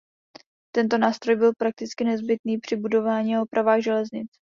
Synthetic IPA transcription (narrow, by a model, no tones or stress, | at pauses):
t̪ɛnt̪o̞naːst̪ɾo̞jbɪlpɾak̚t̪ɪt͡skɪnɛzbɪt̪niːpr̝̥ɪbudo̞vaːɲiaopɾavaːɣʒɛlɛzɲɪt͡s